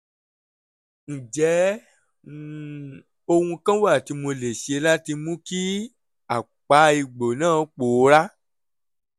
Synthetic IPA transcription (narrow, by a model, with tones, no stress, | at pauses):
n̩˨d͡ʒɛ˨˦˨ | o˧hũ˧kã˦wa˦˨ti˧mo˧le˨ʃe˧la˦ti˧mũ˦ki˦ | a˨ | k͡pa˨˦i˧ɡ͡bo˨nãː˦˨˦k͡po˨˦ɾa˦